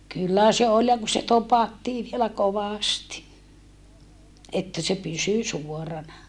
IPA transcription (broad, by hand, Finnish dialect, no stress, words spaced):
kylːæ se ol jɑ ku se topɑtːiː ʋielæ koʋɑˑsti etːæ se pysy suorɑnɑ